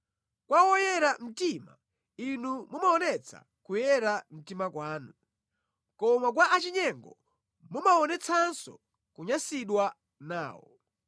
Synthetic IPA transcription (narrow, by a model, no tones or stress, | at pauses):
kwawɔjɛɾam̩tima̰ | inumumaɔnɛt͡sʰa̰ | kujɛɾam̩timakwaːnu | kɔmak̬waʔat͡ʃiɲɛŋɡɔ | mumaɔnɛt͡sʰansɔ̰ | kuɲasiɗwa | na̰ːwɔ̰